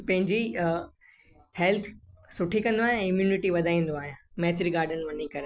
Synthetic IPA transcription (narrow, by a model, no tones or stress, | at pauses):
pɐ̃ɦɪ̃ɲd͡ʑi | hɛlt̪ʰsʊʈʰikɐ̃nd̪oaːɦijãɪmjuːnɪʈiʋɐd̪ʱaːĩːn̆d̪oaːɦijãmɐɦt̪ɪɾiɡaːɾɖənʋɐnikɐɾe